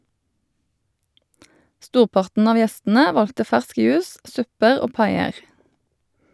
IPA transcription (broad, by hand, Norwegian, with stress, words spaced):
ˈstuːʁˌpɑʁtn̩ ˈɑʋ ˈjɛstn̩ə ˈʋɑltə ˈfæʁsk ˈjʉːs ˈsʉpəʁ ˈoː ˈpɑɪəʁ